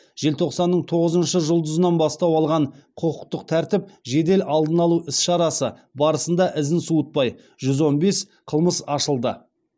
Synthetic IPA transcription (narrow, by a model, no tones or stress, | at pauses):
ʒ̥e̞lt̪ʰo̞qsɑnːəɴt̪ʰo̞ʁəzənʃəʒʊlˠd̪əzənɑnbɑst̪ɑwɑlˠʁɑɴqʰʊqʰʊq̚t̪əq̚t̪ʰæɾt̪ɪp̚ʒe̞d̪e̞lɑlˠd̪ənɑlˠuɪsʃɑɾɑsəbɑɾəsənd̪ɑʔɪzɪnsuət̪̚pɑj | ʒʏzwo̞nbe̞s | qʰəlˠməsɑʃəlˠd̪ə